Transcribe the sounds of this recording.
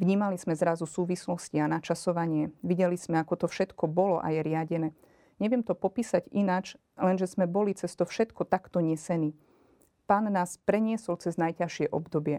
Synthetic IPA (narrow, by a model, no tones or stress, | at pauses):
ʋɲiːmaliz̥mɛzɾazusuːʋislɔscianat͡ʃasɔʋaɲɪɛʋiɟɛliz̥mɛakɔt̪ɔfʃɛt̪kɔbɔlɔʔa̰jɛɾɪaɟɛnɛː | ɲɛʋɪɛmt̪ɔpɔpiːsaɟinat͡ʃ | lɛnʒɛzmɛbɔlit͡sɛst̪ɔfʃɛt̪kɔt̪akt̪ɔɲɛsɛniː | paːnːaːspɾɛɲɪɛsɔlt͡sɛznajcaʃɪɛʔɔbd̪ɔbɪɛ